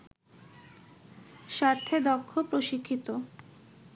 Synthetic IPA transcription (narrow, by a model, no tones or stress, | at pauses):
ʃat̪ʰːed̪ɔkʰːopɾoʃikʰːit̪o